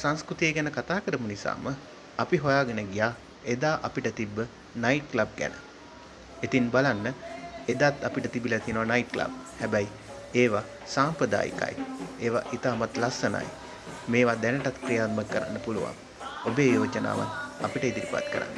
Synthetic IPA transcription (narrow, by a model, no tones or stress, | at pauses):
saŋskɾut̪ijeɡænəkat̪aːkəɾəmunisa̰ːmə | apiɦojaːɡənəɡijaː | ed̪aːʔɐpiʈət̪ibːə | naiʈ̚klab̚ɡɛ̰nə | et̪inbalanːəed̪aːt̪apiʈət̪ibilat̪ienoʋanajiʈ̚kla̰b̚hɛbɛj | eːʋa | saːmpɾəd̪a̰ːjḭka̰j̰eːʋa̰ʔit̪aːmat̪lasːəna̰j | meːʋad̪ɛnəʈat̪krijaːt̪̚məkːəɾa̰nːəpuluʋa̰ŋ | obeːjoːt͡ʃəna̰ːʋa̰napiʈəid̪iɾipa̰t̪kəɾa̰nːə